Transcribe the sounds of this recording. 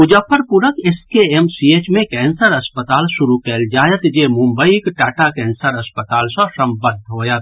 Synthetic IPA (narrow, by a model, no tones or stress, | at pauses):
ʊd͡ʒəpʰəɾpʊɾəkeskeemsieːt͡ʃmẽkɛːnsəɾɐspət̪aːlʃʊɾukɛːld͡ʒaːjət̪d͡ʒeːmʊ̃mbəikʈaːʈakɛ̃ːnsəɾɐspət̪aːlsãsɐmbənd̪ʱɦoːjət̪